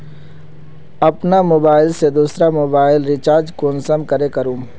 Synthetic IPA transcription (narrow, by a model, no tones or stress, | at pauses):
ɐpnamoːbaːɪlsed̪uːsɾamoːbaːɪlɾɪt͡ʃaːɾd͡ʒkoːnsəmkəɾekəɾũːm